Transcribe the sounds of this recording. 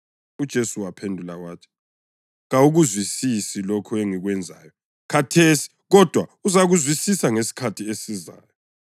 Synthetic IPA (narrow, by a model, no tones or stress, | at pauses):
ud̥ʒ̥ʱesuwapʰendʱulawaːtʰi̥ | ɣauɣuzwisisilokʰɔeŋiɣwɛnd͡zʱa̰ːjɔ | kʰatʰesi̥ | ɣɔd̥ʱwauzaɣuzwisisaŋesi̥kʰatʰiesiza̰ːjɔ